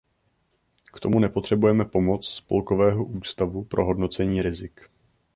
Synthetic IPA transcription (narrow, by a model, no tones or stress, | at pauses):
kt̪o̞munɛpo̞t̪r̝̥ɛbujɛmɛpo̞mo̞t͡sspo̰lko̞vɛːɦo̞ʔuːst̪avupɾʔo̞ɦo̞dno̞t͡sɛɲiːɾɪzɪk